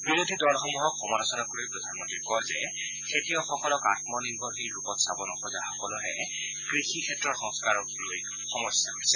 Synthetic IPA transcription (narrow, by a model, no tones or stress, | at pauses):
biɾodʱidɔlxɔmuɦɔkʰːɔmalɔsɔnakuɹijpɹɔdʱanmɔntɹikɔjzɛ | kʰetijɔxɔkɔlɔkatmɔniɹbʱɔxijɹupɔtsabɔnɔxɔzaxɔkɔlɔɦɛ | kɹixikʰɛtɹɔɹxɔ̃ŋskaɹɔkloj | xɔmɔsjaɦosɛ